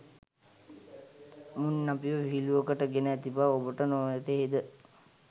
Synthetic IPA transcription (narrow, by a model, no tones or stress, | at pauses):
munːapiʋəʋiɦiluəkəʈəɡenəɛt̪ipaobəʈənoːjat̪eɦed̪ə